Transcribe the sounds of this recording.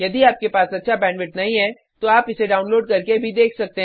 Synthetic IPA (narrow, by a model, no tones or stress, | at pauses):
jɐd̪iaːp̚kepaːsɐtːʃʰabɛ̃ːnʋɪʈ̚nɐɦĩɦɛ | t̪oaːpɪseɖaːʊnloːɖkɐɾkebʱid̪eːkʰsɐk̚t̪eɦ